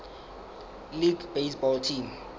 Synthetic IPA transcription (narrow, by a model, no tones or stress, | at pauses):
liɡbesbɔltʰim